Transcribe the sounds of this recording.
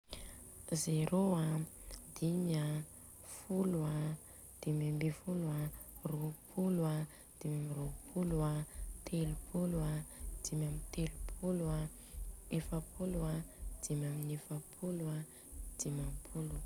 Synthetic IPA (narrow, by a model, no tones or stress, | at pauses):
zeɾoad̪ima | fulua | d̪̥imambefuluaropʰula | d̪̥imamiropʰuluat̪ʰelupʰuluad̪̥imʲamit̪elupʰulua | efapʰuluad̪̥imaminefapʰulua | d̪̥imampʰulu